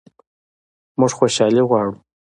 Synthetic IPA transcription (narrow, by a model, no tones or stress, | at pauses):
mʊʐxoʃɑliɣwɑɽu